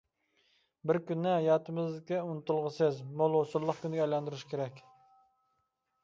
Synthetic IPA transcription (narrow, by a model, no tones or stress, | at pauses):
bɪɾkʲynːɪjɑːt̪ʰɨmɨzd̪ɪkʲɛunɨt̪ulˠʁəsɨzmolˠosuɾlˠːəχkʲʰynd̪ɪɡʲɛjlˠɑnd̪uɾuʃkʲʰeɾɛkʲ